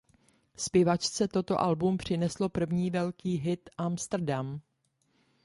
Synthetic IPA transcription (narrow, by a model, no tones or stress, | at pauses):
spjɪvat͡ʃt͡sɛt̪o̞t̪o̞̰ʔalbumpr̝̥ɪnɛslo̞pr̩vɲiːvɛlkiːɦɪt̪ʔamst̪r̩dam